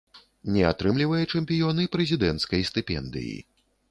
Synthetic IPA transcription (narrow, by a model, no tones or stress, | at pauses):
nʲɛat̪ɾɨmlʲivɐjɛt͡ʂɛmʲpʲijɔnɨpɾɛzʲid̪ɛnt̪skɐjsʲt̪ɨpʲɛ̰nd̪ɨ̰jḭ